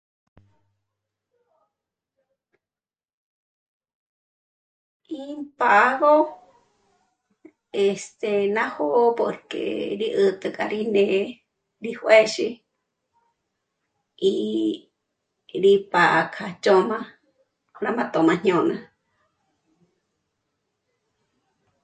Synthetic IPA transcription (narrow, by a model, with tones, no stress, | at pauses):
i˦mpa˨ʔɣo˦ | e˨st̪e˨nã˦ho˦ʔpo˨ɾkḛ˨ɾi˦ʔɨ˨t̪ɨ˧kʼa˧ɾi˦nẽ˧ | ɾi˦hwe˦ʃi˦ | i˧ | ɾi˧pa˨ʔkʰa˨t͡ʃo˦mã˦ | kʰo˧ɾa˧mã˦t̪o˨mã˧ɲ̥ɲõ˧nã˧